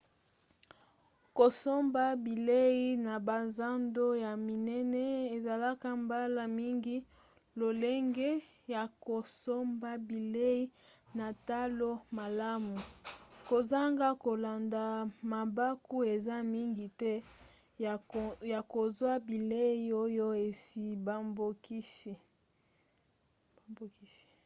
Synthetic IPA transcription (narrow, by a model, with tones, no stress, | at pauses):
ko˨so˦mba˦bi˨le˦i˦na˨ba˨za˦ndo˦ja˨mi˨nɛ˦nɛ˦e˨za˨la˦ka˦mba˦la˨mi˦ŋɡi˦ | lo˨le˦ŋɡɛ˦ | ja˨ko˨so˦mba˦bi˨le˦i˦ | na˨ta˦lo˦ma˨la˦mu˨ko˨za˦ŋɡa˦ko˨la˨nda˨ma˨ba˦ku˦e˨za˦mi˦ŋɡi˨tɛ˦˨ | ja˨ko˨zwa˦bi˨le˦i˦o˦jo˦e˨si˨ba˦mbo˦ki˦si˨ | ba˨mbo˨ki˦si̥˨